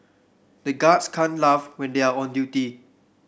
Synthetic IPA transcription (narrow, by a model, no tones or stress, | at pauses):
dəɡadskʰãnlavwɛ̃ndeaɔ̃ndjuti